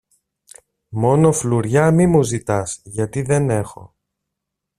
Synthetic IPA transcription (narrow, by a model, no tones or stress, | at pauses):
mo̞no̞fluɾʝɐmimuzit̪ɐsʝɐt̪iðe̞ne̞xo̞̰